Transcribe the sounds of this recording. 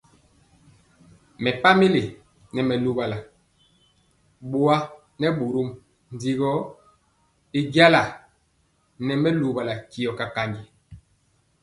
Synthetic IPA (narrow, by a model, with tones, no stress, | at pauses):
mɛ˨pa˦mi˦le˨ | nɛ˨mɛ˨lu˨ba˨la˨ | ɓu˦a˦ | nɛ˦ɓu˨ɾu˦m | n˨di˨ɣɔ˦ | i˦ɡja˦la˨ | nɛ˨mɛ˦lu˨ba˨la˨ki˨ɔ˨ka˨ka˨ndi˨